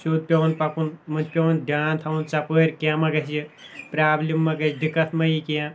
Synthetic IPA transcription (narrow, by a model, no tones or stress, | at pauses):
suːd̪̚pʲɐnpɐpunmɨnpʲɐnd̪aːnt̪ʰɐwunt͡ʃɐpəːɾʲkiãmɐɡɐsipɾaːblʲimːɐɡɐd̪ikːɐt̪ʰmɐjikiã